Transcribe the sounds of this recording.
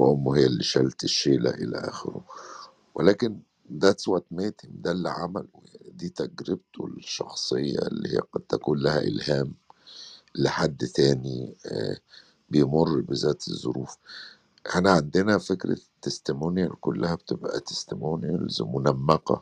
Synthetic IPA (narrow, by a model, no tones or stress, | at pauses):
wʔomːhejːælːiʃælt̪eʃːeːlæ̰ʔelæ̰ʔæ̰ːxḛɾo̰ | wʔelæːken | d̪æt̪swæt̪meːt̪ʰimd̪ælːʕamæljaʕnid̪iːt̪æɡɾɪb̚t̪olʃːɑxsˤejːɑ̰elːḭhḭːæqɑd̪̥̚t̪ækuːnlæhæ̰ʔḛlhæːm | leħad̪ːt̪æːni | bejmorːbezæːt̪ezˤːoɾuːf | ʔeħnæʕand̪enæfekɾæ̰t̪ːest̪ɪmoːnjækʊlːæhæbet̪ebʔæ̰t̪e̥st̪ɪmoːnjælzmʊnæmːæqɑ̰